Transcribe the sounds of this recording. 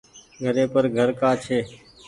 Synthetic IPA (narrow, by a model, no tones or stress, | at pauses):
ɡʱəɾẽːpəɾɡʱəɾkaːt͡ʃʰeː